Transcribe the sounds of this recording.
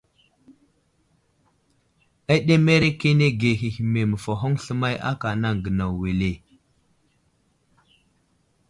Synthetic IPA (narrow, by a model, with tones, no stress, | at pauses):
a˦ɗe˦me˦ɾe˦ke˦ne˦ɡe˨ɦi˨hi˨me˨mə˨fa˨ɦo˦ŋɬə˦ma˦ja̰˦ka˨na˦ŋ˨ɡə˨na˨we˨le˨